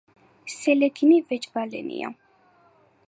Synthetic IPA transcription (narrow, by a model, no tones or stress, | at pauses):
sɛlɛɡinivɛt͡ʃbalɛ̰nḭa̰